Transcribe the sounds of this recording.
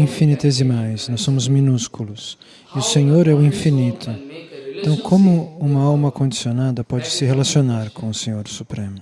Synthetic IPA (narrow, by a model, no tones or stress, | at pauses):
ĩfinit̪ezɪmajsnɔsːõmʊzminuskulʊs | iʊsẽɲoɾɛʊĩfinit̪ʰʊẽnt̪ɐ̃w̃kʰõmʊũmɐawmɐkõd͡ʒisionad̪ɐpɔd͡ʒɪsɪɦelasionaɾkõʊsẽɲoɾsupɾẽmʊ